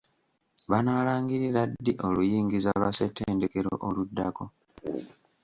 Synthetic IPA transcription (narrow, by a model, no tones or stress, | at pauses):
βanalaːŋɡiɾiɾadːiʔo̞lujiːŋɡizalwaseteːndeke̞ɾo̞̰ʔoludːako̞